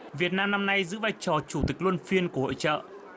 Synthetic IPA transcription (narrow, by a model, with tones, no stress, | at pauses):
vi˨˩ət̚naː˧mna˧mna˧jzɨ̰˧˥vaː˧jt͡ɕɔ˨˩t͡ɕu˧˩t̪ï˨˩k̟̚lwu˧ənfi˧ənku˧˩əho̰˧˨jt͡ɕə̰ː˧˨